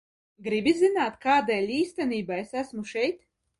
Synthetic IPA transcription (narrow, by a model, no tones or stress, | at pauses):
ɡɾibizinaːt̪kaːd̪ɛːjlʲiːst̪ɛniːbaesæsmuʃɛjt̪